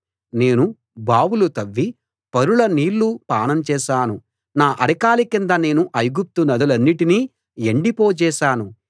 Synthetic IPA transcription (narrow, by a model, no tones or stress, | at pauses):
ne̞ːnu | baːwulut̪ɐʋːi | pɐɾuɭɐniːlːupaːɳɐmt͡ʃɛːʃaːnu | naːʔɐɽɐkaːlikind̪ɐne̞ːnuʔɐjɡup̚t̪unɐd̪ɐlɐnːiʈiniː | eɳɖipoːt͡ʃɛːʃaːnu